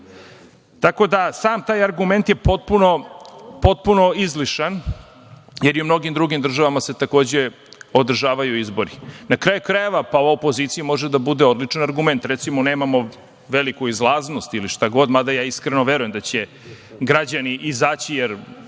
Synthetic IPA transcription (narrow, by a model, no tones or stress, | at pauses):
t̪ako̞d̪asaːmt̪aːjaɾɡume̞nt̪je̞po̞t̪̚puno̞po̞t̪̚puno̞izliʃan | jeɾiumno̞ɡimd̪ɾuɡimd̪r̩ʒaʋamaset̪ako̞ːd͡ʑe | od̪r̩ʒaːʋajuizbo̞ɾinakɾaːjukɾajeʋapaoʋaopo̞zit̪sijumo̞ʒed̪abud̪eod̪lit͡ʂanaɾɡume̞nt̪ɾet̪simoneːmamo̞ | ʋelikuizlˠaːzno̞st̪iliʃt̪aɡo̞d̪mad̪ajaːiskɾeno̞ʋeɾujemd̪at͡ɕe̞ | ɡɾad͡ʑaniʔizaːt͡ɕijeɾ